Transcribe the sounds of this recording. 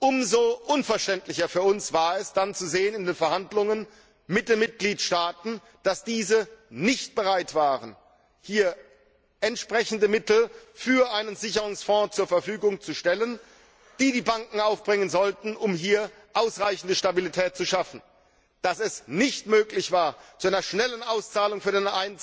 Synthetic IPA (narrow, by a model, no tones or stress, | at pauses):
ʔʊmzoʔʊnfɛɐʃtɛntlɪçɐfyːɐʊnsv̥aːɐɛsd̥ant͡suzeːənɪndeːnfɛɐhandlʊŋən | mɪt̚d̥eːnmɪt̚ɡ̥liːtʃtaːtn̩ | d̥asd̥iːzənɪçt̚b̥əʁaɪtv̥aːʁən | hiːɐ | ʔɛntʃpʁ̥ɛçn̩dəmɪtl̩fyːɐʔaɪnənzɪçəʁʊŋsfɔ̃ːt͡suːɐfɛɐfyːɡʊŋt͡suʃtɛlən | d̥iːdiːbaŋkŋ̩aʊfb̥ʁɪŋənzɔltn̩ʔʊmɦiːɐ | ʔaʊsʁaɪçn̩dəʃtabilitʰɛːt̚t͡suʃafn̩ | d̥asɛsnɪçtmøːklɪçv̥aːɐt͡suʔaɪnɐʃnɛlənʔaʊst͡saːlʊŋfyːɐdeːnʔaɪn